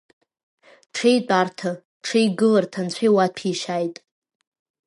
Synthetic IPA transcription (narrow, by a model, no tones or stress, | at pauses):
ʈ͡ʂʰejtʷʼartʰa | ʈ͡ʂʰejɡɨlartʰant͡ɕʷʰejwatʰiʃajtʼ